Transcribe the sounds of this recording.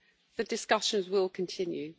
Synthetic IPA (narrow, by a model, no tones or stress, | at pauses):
ðədɪskʌʃə̃nzwɪlˠkʰə̃ntʰɪ̃njʉ